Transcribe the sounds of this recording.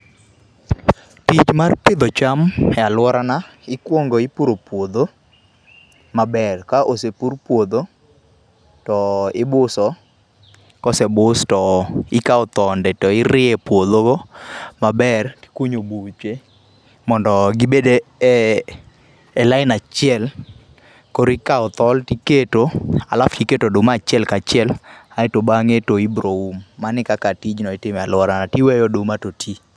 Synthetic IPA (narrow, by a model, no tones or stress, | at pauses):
tit͡ʃmarpɪd̪ɔt͡ʃamɛalwɔɾana | ɪkwoŋɡoɪpuɾopwod̪o | mabɛrkaʔosepurpwod̪o | tɔɪbʊsɔ | kɔsɛbʊstɔɪkaɔt̪ɔndɛtɔɪɾɪepwod̪oɡɔmabɛri̥kwuɲobut͡ʃwe | mɔndɔɡibede | laɪnat͡ʃɪɛl | koɾikaɔt̪ɔltiketoa̰laftiketodʊmat͡ʃɪɛlkat͡ʃɪɛlaetobaŋetoibɾoumːanɪkakatid͡ʒnɔɪtɪmɛalʊaɾanatiwɛjɔdʊmatotʰi